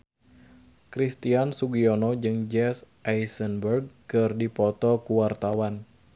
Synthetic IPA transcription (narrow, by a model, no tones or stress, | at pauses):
kɾist̪iansuɡionɔd͡ʒɨŋd͡ʒɛsʔajsənbərɡ̚kɨrdipɔt̪ɔkuwart̪awan